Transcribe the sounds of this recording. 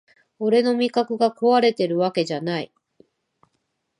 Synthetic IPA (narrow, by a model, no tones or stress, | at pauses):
o̞ɾe̞no̞mʲikakɯ̟ɡako̞βaɾe̞t̪e̞ɾɯ̟βake̞ʑanai